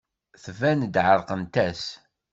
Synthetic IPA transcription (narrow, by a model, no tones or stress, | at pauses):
θvænd̪ʕəɾˤqənt̪æs